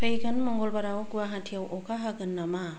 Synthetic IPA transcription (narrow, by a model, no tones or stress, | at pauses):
pʰejɡanmɔŋɡɔlbaɾawɡuwaɦatʰiawʔɔkaɦaɡɯnːama